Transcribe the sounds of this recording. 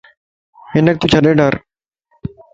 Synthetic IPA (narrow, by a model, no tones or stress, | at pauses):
hɪnək̚t̪ut͡ʃʰəɗẽːɖəɾ